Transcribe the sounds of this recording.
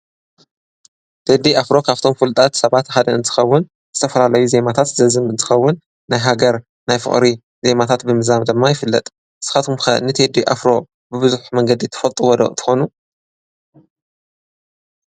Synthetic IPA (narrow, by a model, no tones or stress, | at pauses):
t̪ʰed̪iʔafɾo̞kʰaβt̪ʰo̞mfɨlt̪ʼat̪sɐβat̪ħad̪ɐɨnt̪ʰɨ̥xɐwːʊn | z̥ɨt̪ʰɐfɐlalɐjuze̞mat̪ʰat̪zɐzɨmɨnt̪ʰɨ̥xɐwːʊnː | ajɦaɡɐɾ | najfɨ̰χʼɾi | ze̞mat̪ʰat̪bɨmɨzamd̪ɨmːajɪfɨlːɐ̰t̪ʼ | sɨ̥xat̪ʰumxɐʔnːɨt̪ʰed̪iʔa̰fɾo̞ | bɨβɨzuħmɐŋɡɐd̪it̪ʰɐ̥fɐlt̪ʼuwɔd̪ɐ̰ʔt̪ʰɨ̥xo̞nu